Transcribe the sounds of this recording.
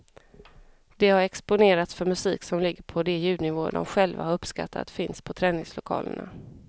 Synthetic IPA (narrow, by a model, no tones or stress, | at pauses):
d̪̥ɛhaɾɛkspʊneːɾat̪sfœɾmɵsiːksɔmlɪɡːəɾpʰɔd̪ɛjʉ̟ːd̪nɪvoːd̪ɔ̰mɧɛlva̰haɾɵpska̰t̪ːa̰t̪fɪnspʰɔt̪ʰɾɛːnɪŋslʊkʰɑ̰ːlə̰ɳa̰